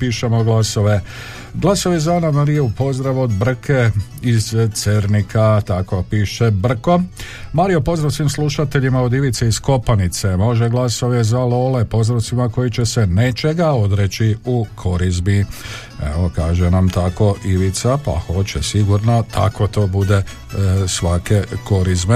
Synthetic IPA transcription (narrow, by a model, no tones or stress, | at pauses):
piːʃemo̞ɡlaso̞ʋe | ɡlˠasoʋjezanamaɾioupo̞zd̪ɾaʋo̞d̪br̩kʰe | izt̪seɾnikʰat̪ako̞piːʃebr̩ko̞ | maɾio̞po̞zɾaʋsʋiːmsluʃat̪e̞ʎimao̞d̪iʋit̪seisko̞panit̪semo̞ʒeɡlaso̞ʋezalo̞le̞po̞zɾat̪simako̞jit͡ʃe̞senet͡ʃe̞ɡao̞d̪ɾet͡ʃiukʰo̞ɾizbi | ḛokaːʒenamt̪ako̞ʔiʋit̪sapa̰ho̞t͡ʃesiɡuɾnat̪ʰa̰ko̞t̪o̞ːbud̪e̞ | sʋake̞ko̞ɾizbe